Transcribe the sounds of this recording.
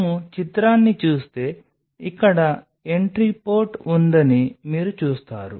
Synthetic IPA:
mut͡ʃit̪ɾaːnːit͡ʃuːst̪e̞ː | ikːɐɽɐ | e̞ɳʈɾipo̞ːɾʈund̪ɐnimiːɾut͡ʃuːst̪a̰ːɾṵ

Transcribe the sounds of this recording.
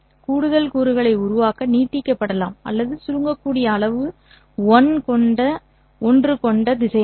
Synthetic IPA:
kuːɽɯðɐlkuːɾɯɣɐɭɐɪʊɾʊʋaːkɐniːʈːɪkːɐpːɐɽɐlaːmʔɐ̰lːɐðɯsʊɻɯŋɡɐkːuːɽɪjɐːɭɐʋɯ | ʋɔnkɔɳɖɐ | ɔndrɯkɔɳɖɐd̪ɪsɐj

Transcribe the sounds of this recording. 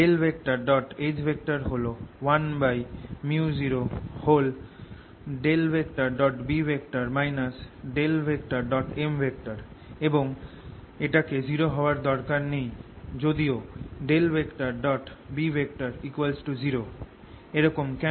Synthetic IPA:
elbʱekʈaɾɖɔʈed͡ʑbʱek̚ʈaɾɦolowanbajmiud͡ʑiɾohol | ɖelbekʈaɾɖɔʈbibʱek̚ʈaɾmajnas | ɖelbek̚ʈaɾɖɔʈembʱek̚ʈaɾ | eboŋ | eʈaked͡ʑiɾoɦɔoaɾd̪ɔɾkaɾnejd͡ʑod̪ioɖelbʱekʈaɾɖɔʈbibʱek̚ʈaɾikwalsʈud͡ʑiɾo | eɾɔkomkɛ

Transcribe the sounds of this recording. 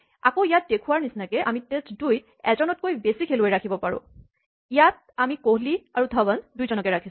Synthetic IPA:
a̰koijat̚dekʰuwaɹnisnakɛʔamitestduj | ɛzɔnɔt̚kojbesikʰelojɹakʰibɔpaɹʊ̰̃ | ijat̚ | amikoɦliaɹudʱɔbandujzɔnɔkɛɹakʰisʊ̃

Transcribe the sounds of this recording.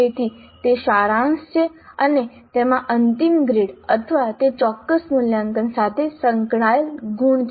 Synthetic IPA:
et̪ʰi | t̪eʃaɾãnst͡ʃʰeəne | t̪emãʔənt̪imɡɾeɽət̪ʰəʋat̪et͡ʃɔkːəsmuljãŋkənsat̪ʰesəŋkɳ̃ajəlɡuɳt͡ʃ

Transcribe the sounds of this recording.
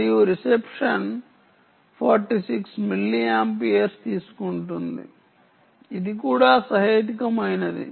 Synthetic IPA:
ijuɾisepʂɐn | pʰaːɾʈisiksmilːiempieɾst̪iːsu̥kuɳʈund̪ḭ | id̪ikuːɽaːsɐɦɐjt̪̬ikɐmɐjnɐd̪ḭ

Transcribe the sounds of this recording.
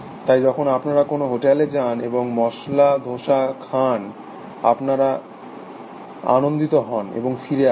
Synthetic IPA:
t̪ajd͡ʑɔkʰonapnaɾakonoɦoʈeled͡ʑaneboŋmɔʃlad̪ʱoʃakʰan | a̰pnaɾa | a̰nond̪it̪oɦɔnḛboŋfiɾea

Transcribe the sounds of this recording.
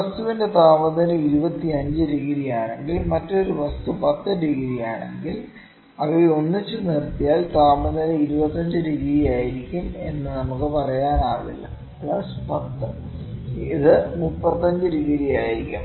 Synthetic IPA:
ʋɐst̪uʋinde̞t̪aːmɐðɐnɐiɾubɐt̪ːiɐɲd͡ʑɨɾiɣiɾijaːɳe̞ŋɡilmɐtːo̞ɾuʋɐst̪upɐt̪ːɨɾiɣiɾijaːɳeŋɡil | ɐʋieo̞nːit͡ɕːɨnirt̪ːijaːlt̪aːmɐðɐnɐiɾubɐt̪ːɐɲd͡ʑɨɾiɣiɾijaːjiɾikʲːume̞nːɨnɐmukːɨpɐrɐjaːnaːɭḭlːɐ̰ | pɭɐspɐt̪ːɨ | iðɨmupːɐt̪ːɐɲd͡ʑɨɾiɣiɾijaːjiɾikʲːṵm

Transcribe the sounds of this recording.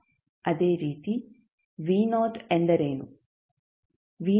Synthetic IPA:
ɐd̪e̞ːɾiːt̪i | ʋiːnoːt̪enɖ̪ɐɾeːnu | ʋiː

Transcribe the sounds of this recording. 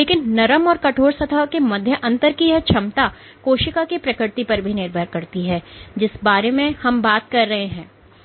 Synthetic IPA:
leːkɪnːɐɾəmɔːɾkɐʈʰoːɾsɐt̪ʰakemɐd̪ʱjəʔɐ̃nt̪əɾkiɦɛt͡ʃʰɐmt̪a | koːʃɪkakepɾɐkɾɪɾt̪ipɐɾbʱinɪɾbʱəɾkɐɾt̪iɦɛːd͡ʒɪsbaːɾemẽhɐmbaːt̪̚kɐɾːɐɦeɦɛ̃ː

